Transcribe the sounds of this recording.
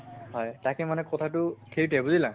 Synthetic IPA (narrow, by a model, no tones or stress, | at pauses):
hɔjtakɛmanɛkɔtʰatʊkʰeɹitɛbuzilã